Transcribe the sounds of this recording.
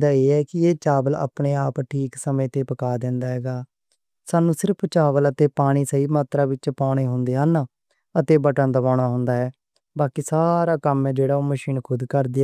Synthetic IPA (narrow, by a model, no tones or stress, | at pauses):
d̪aːeːɛːkɪeːt͡ʃaːʋəla̰ːpɳeːaːpʈʰiːksəmẽːt̪eːpəkaːd̪ɛ̃ːnd̪aːɦɛːɡaː | saːnũːsɪɾpʰt͡ʃaːʋələt̪eːpaːɽ̃iːsəiːmaːt̪ɾaːʋɪt͡ʃpaːɽ̃eːɦʊnd̪eːɦaːnaː | ət̪eːbəʈãnd̪əʋãːɽ̃aːɦʊnd̪aːɦɛː | baːkiːsaːɾaːkəmɛːd͡ʒeːɽaːoːməʃiːnkʰʊd̪kəɾd̪ɪaː